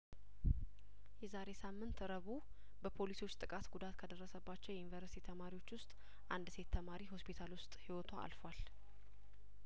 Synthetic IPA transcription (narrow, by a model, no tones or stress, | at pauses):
jɛzaɾe̞samːɨnt̪ɾəβu | bəpʰo̞liso̞t͡ʃːt̪ʼɨkʼat̪ɡud̪at̪kʰəd̪ərːəsəbːat͡ʃːɛwjɛjunivəɾsi̥t̪ʰit̪ʰəmaɾiwo̞t͡ʃːwʊst̪ʼ | ʔand̪se̞t̪ʰːəmaɾiho̞spʰit̪ʰalwʊst̪ʼhiwɔt̪ʰaa̰lfwal